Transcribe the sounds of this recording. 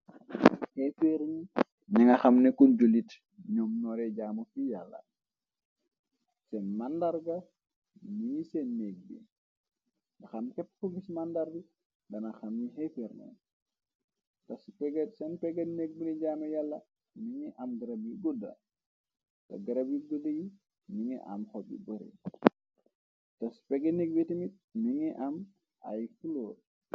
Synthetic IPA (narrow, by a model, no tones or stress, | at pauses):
hɛfeɾɲi | niŋɐxɐmnɛkund͡ʒulit | ɲɔːmnɔːɾɛɟaːmofijalːɐ̰ | sɛnmandaɾɡɐ | niɲisɛnːɛɡ̚bḭ | nɐxɐmkɛpːkɔbismandaɾbi | dɐnɐxɐmɲiɦɛfeɾnɛ̰ | tɐspɛɡetsɛnpɛɡɐnek̚buniɟaːmɐjalːɐ | niŋɛʔɐmɡɐɾɐbjiɡudɐ̰ | tɐ̰ɡɐɾɐbjiɡudɐji | niŋɛ̰ʔɐ̰mxɔbḭbəɾḭ | tɐspɛɡɐnek̚bitimit̚niŋɛʔɐm | a̰jkuloː